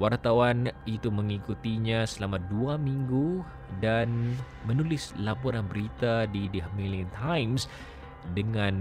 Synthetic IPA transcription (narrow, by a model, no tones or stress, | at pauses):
wart̪awanit̪uməŋikut̪iɲasəlamaduamiŋɡu | dan | mənulɪslapɔɾanbəɾit̪adidəhmilənt̪ʰajms | dəŋan